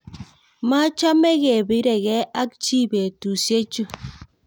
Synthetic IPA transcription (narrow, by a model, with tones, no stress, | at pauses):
ma˦t͡ʃa˦mɛ˦ɣe˨bɪ˦ɾɛ˨ɣɛ˦ʔa˦k̚t͡ʃi˦be˨tu˨sje˦t͡ʃu˦˨